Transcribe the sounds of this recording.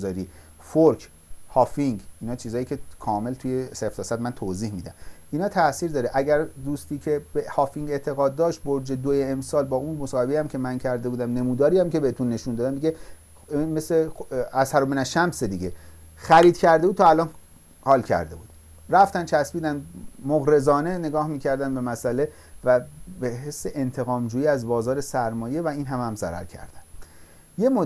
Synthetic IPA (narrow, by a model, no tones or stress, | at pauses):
zɒːɾifoɾkʰ | hɒːfiŋɡiːnɒːt͡ʃʰiːzɒːjiːkʰʲcʰe̞kʰɒːme̞lt̪ʰujeseft̪ʰɒːsæd̪mænt̪ʰoziːhmiːd̪æ̰miːnɒːt̪ʰæsiːɾd̪ɒːɾeʔæɡæɾd̪uːst̪iːkʰe̞behɒːfiŋɡe̞t̪ʰe̞ɣɒːd̪̚ːɒːʃt̪̚boɾd͡ʒed̪ojeːmsɒːlbɒːunmosɒːhe̞bejæmcʰe̞mæncʰæɾd̪e̞buːd̪æmne̞muːd̪ɒːɾijæmke̞beet̪ʰunːe̞ʃund̪ɒːd̪æmd̪iɟe | inmesleæshæɾomenæʃæmsed̪iɟe̞ | xæɾiːd̪̚cʰæɾd̪ebud̪̚t̪ʰɒælɒːn | hɒːlcʰæ̰ɾd̪e̞̰buːd̪ | ɾæft̪ænt͡ʃʰæsbiːd̪ænd̪moɣɾe̞zɒːne̞ne̞ɡɒːhmiːcʰæɾd̪ænbe̞mæsʔæle̞ | væbeɦesːeʔent̪ʰe̞ɣɒːmd͡ʒuːjiːæzbɒːzɒːɾe̞sæɾmɒːje̞væiːnɦæmæmzæ̰ɾæ̰ɾcʰæ̰ɾd̪æ̥nd̪ | jemo